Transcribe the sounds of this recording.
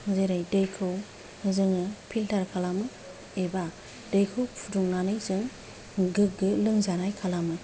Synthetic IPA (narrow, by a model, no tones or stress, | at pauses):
ŋɯzejɾajdejkʰɯw | ɯzɯŋɯpʰiltʰaɾkʰalamɯ | eba | dejkʰɯwpʰuduŋnanɯjzɯŋ | ɡɯɡɯlɯŋzanajkʰalamɯ